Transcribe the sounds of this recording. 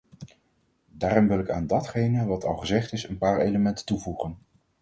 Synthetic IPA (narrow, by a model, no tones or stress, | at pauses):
daːɾɔmʋɪlˠɪka̰ːndɑtχejnəʋɑtʰɑlˠχəzɛχtɪsənpaːɹejləmɛntə̥tuvuχən